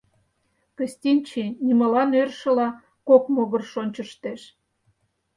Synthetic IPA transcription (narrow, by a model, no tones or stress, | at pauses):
kə̆sʲtʲinʲt͡ɕinʲiməlɑnørʃə̆lɑ | kokmoɣə̆rʃonʲt͡ɕə̆ʃt̪eʃ